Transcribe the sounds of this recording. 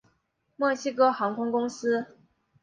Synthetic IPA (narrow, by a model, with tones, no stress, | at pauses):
mwɤ˥˩ɕi˥kɤ˥xɑ˧˥ŋkʰʊ˥ŋkʊ˥ŋsɹ̩˥